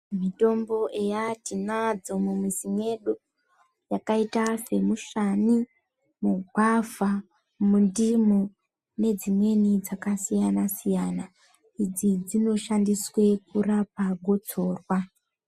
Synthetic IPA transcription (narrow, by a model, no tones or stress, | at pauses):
mito̞mbo̞ʔe̞jatinad͡zo̞mumisimwe̞ɗo | jakaitase̞muʃani | muɡʱwava | mundimo | ne̞d͡zimwe̞nid͡zakasijanasijana | id͡zid͡zino̞ʃandiswe̞kurapaɡʱo̞t͡so̞ːrwa